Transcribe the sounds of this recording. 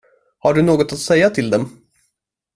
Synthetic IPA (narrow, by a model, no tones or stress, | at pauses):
haɖɵnoːɡɔt̪at̪sɛjːat̪ʰɪld̪ɛm